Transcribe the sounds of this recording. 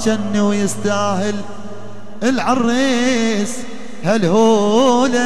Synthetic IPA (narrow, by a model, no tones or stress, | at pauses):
ʃanːuwjɪst̪aːɦɪl | ɪlʕɑrˤːiːs | halhuːla